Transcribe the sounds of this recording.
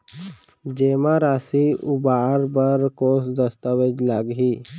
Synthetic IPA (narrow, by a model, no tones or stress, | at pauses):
d͡ʒeːmaɾaːsiʊbaːɾbəɾkoːsd̪əst̪awed͡ʒlaːɡɦiː